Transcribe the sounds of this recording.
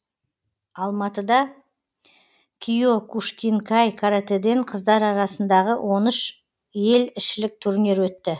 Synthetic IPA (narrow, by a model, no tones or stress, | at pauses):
ɑlˠmɑt̪əd̪ɑ | kʲʰijo̞kʰuʃkʲiŋkʰɑjkʰaɾat̪ed̪e̞ɴqʰəzd̪ɑɾɑɾɑsənd̪ɑʁəwʔo̞nəʃ | je̞lɪʃɪlɪk̚t̪ʰʏɾne̞ɾwɵt̪ːɪ